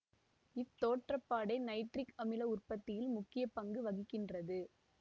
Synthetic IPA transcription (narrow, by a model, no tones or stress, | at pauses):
ɪt̪ːoːʈrɐpːaːɽɐɪnɐɪʈrɪkɐmɪlɐʊrpɐt̪ːɪjɪlmʊkːɪjɐpɐŋɡɯʋɐɣɪkːɪndrɐðɯ